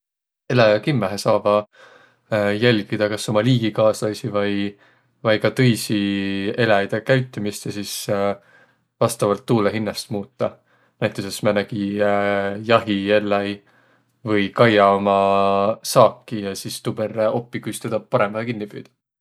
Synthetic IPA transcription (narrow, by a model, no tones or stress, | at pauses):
e̞læjɑkimːeɦesɑːv̥ɑ | jælʲɡ̥id̪̥ɑkɑso̞mɑliːɡ̥ikɑːslɑjsivɑj | vɑjkɑt̪ɤ̞jsie̞læjd̪̥ekæɥt̪ːˑumist̪ɑsis | vɑst̪ɑvɑlt̪ːuːleɦinːɑst̪muːt̪ːɑ | næjt̪ːˑusesmænɑɡ̥i | jɑɦielːɑj | vɤjkɑjɑomɑsɑːkːˑijɑsist̪ub̥eɾo̞pːˑikyst̪ed̪̥ɑpɑɾe̞mɑhekinːib̥y̰ːd̪̥ɑ̥